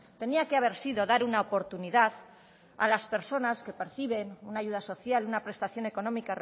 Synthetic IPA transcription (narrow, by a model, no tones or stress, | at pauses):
t̪e̞niakeaβ̞e̞ɾsiðo̞ðaɾunaopo̞ɾt̪uniðað | a̰laspe̞ɾso̞naske̞pe̞ɾθiβ̞e̞nunaʝuð̞aso̞θjalunapɾe̞st̪aθjo̞ne̞ko̞nõ̞mikar